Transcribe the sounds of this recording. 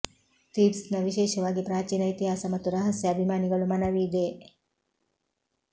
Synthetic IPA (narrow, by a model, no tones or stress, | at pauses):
t̪iːbsnɐʋiʃeːʃɐʋaːɡipɾaːt͡ʃiːnɐit̪iɦaːsɐmɐt̪uɾaɦɐsjɐɐbʱimaːniɡɐlumanɐʋiːd̪eː